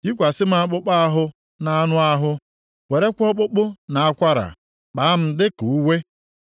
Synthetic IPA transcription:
i˦kʷa˨sɪ˦m̩˦a˦a˦k͡pʊ˦k͡pa˦a˦ɦʊ˦ | na˦a˦nʊ˦a˦ɦʊ˦ | we˨ɾe˦kʷɔ˦k͡pʊ˦k͡pʊ˦na˨a˦kʷa˦ɾa̰˨ | k͡pa˨a˦m̩˦dɪ˦ku˨u˦we˦

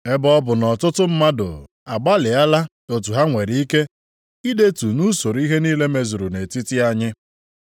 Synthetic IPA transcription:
e˦bɔ˦bʊ˨nɔ˨tʊ˦tʊ˦m̩˦ma˦dʊ̰˨ | a˨ɡ͡ba˦lɪ˨a˦la˦ | o˨tu˨ɦa˦ŋʷe˨ɾi˨˦i˦ke˦ | i˦de˦tu˨nu˦so˨ɾi˦ɦe˦niː˦le˦me˦zu˨ɾu˨ne˨ti˦tɪ˦a˦ɲɪ˦

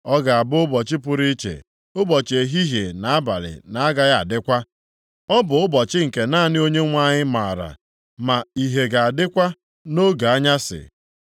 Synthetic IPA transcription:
ɔ˦ɡa˨a˨bʊ˦ʊ˦bɔ˨t͡ʃɪ˦pʊ˦ɾi˦t͡ʃḛ˨ | ʊ˦bɔ˨t͡ʃe˨ɦi˦ɦe˨na˨a˦ba̰˨lɪ̰˨na˨a˦ɡa˨ja˨a̰˨dɪ˦kʷa˦ | ɔ˦bʊ˨ʊ˦bɔ˨t͡ʃɪ˦ŋ̩˨ke˨naː˦˨nɪ˦o˦ɲe˦ŋʷa˦ɲɪ˦ma˨ɾa̰˨ | ma˨i˨ɦe˨ɡa˨a˨dɪ˦kʷa˦ | no˦ɡa˨a˦ɲa˦sɪ̰˨

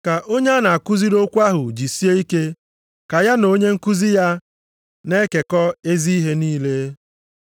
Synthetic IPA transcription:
ka˨ʔo˦ɲe˦a˦na˨a˨kʊ˦zi˦ɾo˦kʷa˦ɦʊ˨d͡ʒi˨si˦e˦i˦ke˦ | ka˨ja˦no˦ɲe˦ŋ̩˦ku˦zi˦ja˦ | ne˦ke˨kɔ˦e˦zi˦i˦ɦe˦niː˦le˦

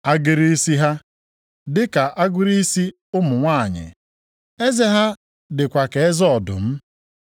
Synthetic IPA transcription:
a˦ɡɪ˨ɾi˦si˦ɦa˦ | dɪ˦ka˨ʔa˦ɡʊ˦ɾi˦si˦ | ʊ˦mʊ˨ŋʷa˦a˨ɲɪ̰˨ | e˦ze˦ɦa˦ | dɪ˨kʷa˨ke˨e˦zɔ˦ɔ˨dʊ̰˨m̩˦

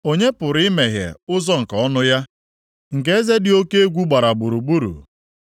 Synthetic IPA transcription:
o˦ɲe˦pʊ˨ɾme˨ɦjḛ˨ʊ˦zɔ˦ŋ̩˨ka˨ɔ˦nʊ˦ja˦ | ŋ̩˨ke˦e˦ze˦dɪ˨o˦ke˦e˦ɡʷu˦ɡ͡ba˨ɾa˨ɡ͡bu˨ɾu˨ɡ͡bu˦ɾṵ˨

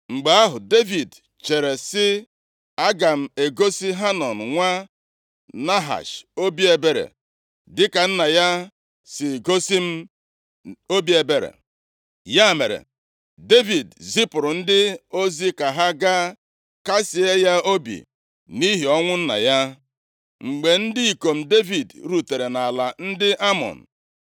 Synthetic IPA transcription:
ŋ͡m̩˨ɡ͡ba˨a˦ɦʊ˨de˦vi˨d | t͡ʃe˨ɾe˨sɪ˦ | a˦ɡa˨m̩˨e˨ɡo˦si˦ɦa˦nɔ˨n̩˨ŋʷa˦ | na˦ɦa̰˨ʃo˦bi˦e˨be˦ɾḛ˨ | dɪ˦ka˨n̩˦na˨ja˦ | sɪ˨ɡo˦si˦m̩˦ | o˦bi˦e˨be˨ɾḛ˨ | ja˦˨me˨ɾḛ˨ | de˦vi˨dzi˦pʊ˨ɾʊ˨n̩˦dɪ˦o˦zi˦ka˨ɦa˦ɡa˦ | ka˦si˨e˦ja˦o˦bḭ˨ | ni˦ɦi˨ɔ˦ŋʷʊ˦n̩˦na̰˨ja˦ | ŋ͡m̩˨ɡ͡be˨n̩˦di˦i˨ko˨m̩˦de˦vi˨dɾu˨te˨ɾe˨na˨la˨n̩˦dɪ˦ʔa˦mɔ̰˨n̩˨

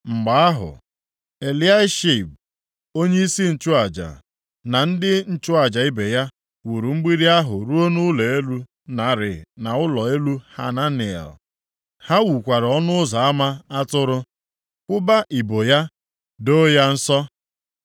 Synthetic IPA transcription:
ŋ͡m̩˨ɡ͡ba˨a˦ɦʊ̰˨ | e˨li˦a˦ɪ˦ʃi˨b̚ | o˦ɲe˦i˦si˦n̩˨t͡ʃʊ˦a˨d͡ʒa̰˨ | na˨n̩˦dɪ˦n̩˨t͡ʃʊ˦a˨d͡ʒa˨i˦be˨ja˦ | wu˨ɾu˨ŋ͡m̩˦ɡ͡bi˦ɾi˦a˦ɦʊ˨ɾu˦o˦nʊ˦le˨e˦lu˦ | na˨˦˨ɾɪ̰˨na˨ʊ˦lɔ˨e˦lu˦ha̰˨na˦ni˨ɛ̰˨l | ha˦wu˨kʷa˨ɾɔ˦nʊ˦ʊ˦za˨a˦ma˦a˦tʊ˦ɾʊ˦ | kʷʊ˦ba˦ʔi˨bo˨ja˦ | do˦ja˦n̩˦sɔ˦

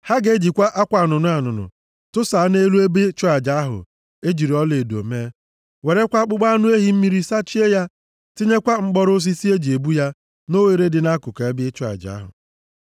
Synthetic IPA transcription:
ha˦ɡe˦d͡ʒi˨kʷa˦ʔa˦kʷa˨a˨nʊ˨nʊ˦a˨nʊ˨nʊ̰˨ | tʊ˦sa˨a˦ne˦lu˦e˦be˦t͡ʃʊ˦a˨d͡ʒa˨a˦ɦʊ̰˨ | e˦d͡ʒi˨ɾi˨ɔ˦le˨do̰˨me˦ | we˨ɾe˦kʷa˦k͡pʊ˦ɡ͡ba˦nʊ˦e˦ɦi˦m̩˦mi˦ɾi˦sa˦t͡ʃi˦e˦ja˦ | ti˦ɲe˦kʷa˦ŋ͡m̩˦ɡ͡bɔ˦ɾʊ˦s̬i˦si˦e˦d͡ʒi˨e˨bu˦ja˦ | no˦we˨ɾe˦dɪ˨na˦kʊ˨ka˨e˦bɪ˦t͡ʃʊ˦a̰˨d͡ʒa̰˨a˦ɦʊ̰˨

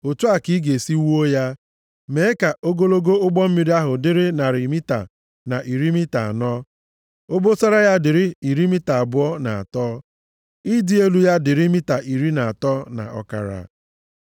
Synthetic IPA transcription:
o˨tu˦a˨ki˦ɡe˨si˦wu˦o˦ja˦ | me˨˦ka˨o˦ɡo˦lo˦ɡo˦ʊ˦ɡ͡bɔ˦m̩˦mi˦ɾi˦a˦ɦʊ˨dɪ˦ɾɪ˦na˨ɾɪ˨mi˦ta̰˨ | na˨ʔi˨ɾi˦mi˦ta̰˨a˨nɔ˦ | o˦bo˦sa˦ɾa˦ja˦dɪ˨ɾɪ˦i˨ɾi˦mi˦ta˨a˨bʊ˦ɔ˦na˨a̰˨tɔ˦ | i˦dɪ˦e˦lu˦ja˦dɪ˨ɾɪ˦mi˦ta˨ʔi˨ɾi˦na˨a˨tɔ˦na̰˨ʔɔ̰˦ka̰˨ɾa̰˨

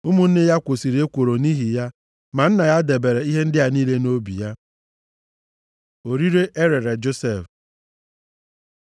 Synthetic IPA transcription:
ʊ˦mʊ˦n̩˦nɪ˦ja˦kʷo˨si˨ɾi˨e˦kʷo˨ɾo˨ni˦ɦi˨ja˦ | ma˨n̩˦na˨ja˦de˨be˨ɾe˨i˦ɦe˦n̩˦dɪ˦a˦niː˦le˦no˦bḭ˨ja˦ | o˨ɾi˦ɾe˦ʔe˦ɾe˨ɾe˨d͡ʒo˦se˦˨f

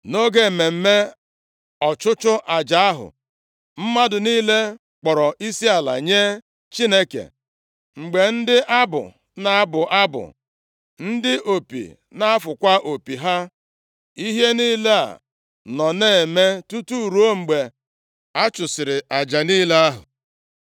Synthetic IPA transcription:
no˦ɡe˦˨me˨m̩˦me˦ | ɔ˨t͡ʃʊ˦t͡ʃʊ˦ʔa˨d͡ʒa˨a˦ɦʊ̰˨ | m̩˦ma˦dʊ˨niː˦le˦ | k͡pɔ˨ɾɔ˨ʔi˦si˦a˨la̰˨ɲe˦ | t͡ʃi˦ne˦kḛ˨ | ŋ͡m̩˨ɡ͡be˨n̩˦dɪ˦ʔa˦bʊ̰˨ | na˦bʊ˨ʔa˦bʊ̰˨ | n̩˦dɪ˦ʔo˨pḭ˨ | na˦a˦fʊ˨kʷa˦ʔo˨pi˨ɦa˦ | i˦ɦe˦niː˦le˦a̰˨ | nɔ˨neː˦˨e˨me˦tu˦tu˦˨ɾu˦o˦ŋ͡m̩˨ɡ͡be˨ | a˦t͡ʃʊ˨sɪ˨ɾɪ˨a˨d͡ʒa˨niː˦le˦a˦ɦʊ̰˨

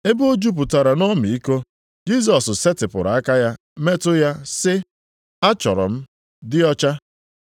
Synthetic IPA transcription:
e˦bo˦d͡ʒu˦p̬ʊ˨ta˨ɾa˨nɔ˦mi˨i˦ko˦ | d͡ʒi˦s̬ɔ˨sse˦tɪ˨pʊ̰˨ɾa˨a˦ka˦ja˦ | me˦tʊ˦ja˦sɪ˦ | a˦t͡ʃɔ̰˨ɾɔ̰˨m̩˦ | dɪ˦ɔ˦t͡ʃa˦

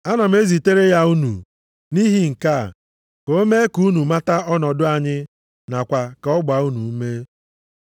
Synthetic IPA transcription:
a˦nɔ˨m̩˦e˦zi˨te˦ɾe˦ja˦u˦nṵ˨ | ni˦ɦi˦ŋ̩˨ka˦˨ | ko˦me˦ku˦nu˨ma˦ta˦ɔ˦nɔ˨dʊ˦a˨ɲɪ˦ | na˨kʷa˨ka˨ɔ˦ɡ͡ba˨u˦nu˨˦me˦

